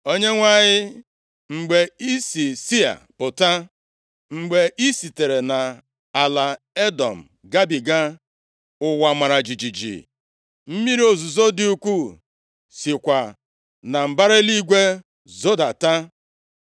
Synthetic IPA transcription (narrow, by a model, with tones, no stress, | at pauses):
o˦ɲe˦ŋʷa˦˨ɲɪ˦ | ŋ͡m̩˨ɡ͡be˨i˦si˨si˦a̰˨pʊ˨ta˦ | ŋ͡m̩˨ɡ͡be˨ʔi˦si˨te˨ɾe˨na˨ | a˨la˨ | e˦dɔ˨m̩˨ | ɡa˦bi˨ɡa˦ | ʊ˦wa˨ma˨ɾa˨d͡ʒi˨d͡ʒi˨d͡ʒḭ˨ | m̩˦mi˦ɾi˦o˨zu˨zo˦dɪ˦u˦kʷu˦ | sɪ˨kʷa˨ | na˨m̩˨ba˦ɾe˦li˦ɡʷe˦ | zo˦da˨ta˦